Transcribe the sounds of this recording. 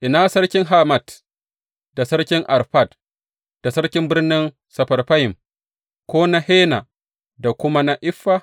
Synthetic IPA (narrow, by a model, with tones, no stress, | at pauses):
ʔɪ˨naː˦sɐ˦ɽkʲɪ˦ŋɦa˦ma˨d | d̥a˨sɐ˦ɽkʲɪ˦ŋʔa˨ɾɸa˦˨d | d̥a˨sɐ˦ɽkʲɪ˦mbɪ˦rnɪ˦n | sɐ˨ɸɐ˨rɸa˦jɪ˨m | kʷoː˦na˦heː˦na˨ | da˨kʷʊ˦ma˦na˦ʔɪ˦ɸːa˦